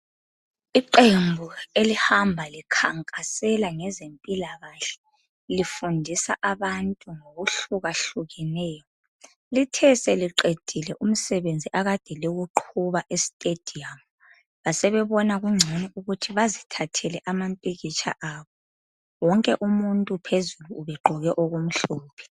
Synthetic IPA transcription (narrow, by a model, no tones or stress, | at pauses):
iǃembʱuelihambʱalikʰaŋkʼasɛlaŋɛzempʼilaɣaɬɛ̥ | lifundʱisaʔaβantʼuŋoɣuɬuɣaɬuɣɛnɛːjɔ | litʰɛsɛliǃed̥ʱilɛʔum̩sɛβend͡zʱiʔaɣad̥ʱɛleɣuǃʰuβaʔestʼed̥ʱiam | βasɛβɛβɔnaɣuŋ͡ǀʱoniʔuɣutʰiβazitʰatʰɛlɛʔamampʼiɣit͡ʃʰʼa̰ʔaːβɔ | wɔŋkʼɛʔumuntʼupʰezuluːβɛɡ͡ǃʱɔɣɛʔoɣum̩ɬɔːpʰɛ̥